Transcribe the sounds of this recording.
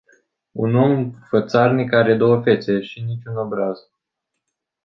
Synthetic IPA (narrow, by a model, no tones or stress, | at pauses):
uno̞mfət̪sarnikaɾe̞d̪o̞wəfe̞t̪se̞ʃinit͡ʃʲuno̞bɾaz